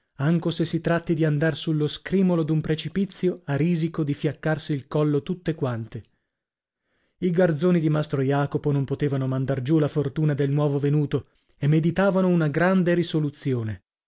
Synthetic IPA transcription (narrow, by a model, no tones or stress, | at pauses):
aŋkosesːit̪ɾat̪ːid̪iand̪arsulːoskɾiːmolod̪umpɾet͡ʃipit̪sːjoariːzikod̪ifjakːarsiːlkɔlːot̪ut̪ːekwant̪e | iɡard̪zoːnid̪imast̪ɾojaːkoponompot̪eːvanomand̪ard͡ʒulafort̪uːnad̪elnwɔːvovenuːt̪o | emːed̪it̪aːvanounaɡɾand̪eɾisolut̪sːjoːne